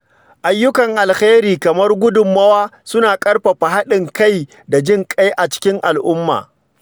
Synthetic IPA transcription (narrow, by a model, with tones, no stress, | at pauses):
ʔa˨jːʊ˦kɐ˨ŋʔa˨lxeː˦ɾiː˨kɐ˨mɐ˦rɡʷʊ˦dʊ˨mːɐ˦waː˦sʊ˦naː˨kʼɐ˦rɸa˨ɸa˨ɦa˦ɗɪ˨ŋka˦˨j | da˨d͡ʒɪ˦ŋkʼa˦jʔa˨t͡ʃɪ̥˦kʲɪ˦ŋʔa˨lʔʊ˦mːa̰ː˨